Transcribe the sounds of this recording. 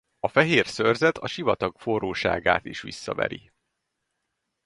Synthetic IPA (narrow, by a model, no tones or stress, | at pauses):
ɒfɛɦeːrsørzɛt̪ɒʃivɒt̪ɒkforoːʃa̰ːɡaːt̪iʃʋḭsːɒvɛ̰ɾi